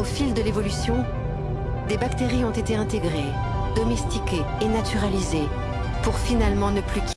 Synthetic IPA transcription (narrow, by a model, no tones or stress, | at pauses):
ofild̪əlevɔlysjɔ̃ | d̪ebakt̪eʁiɔ̃t̪et̪eɛ̃t̪eɡʁe | d̪̥ɔmɛst̪ikʲeːnat̪yʁalize | puʁfinalmɑ̃nəplykʲ